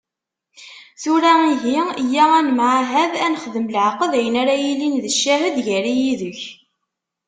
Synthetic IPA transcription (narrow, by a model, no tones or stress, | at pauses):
θuɾæiɦijːæænmʕaɦæðænχðəmlʕqəðæjənæɾæjilinðəʃːæɦəd̪ʝæɾijiðəç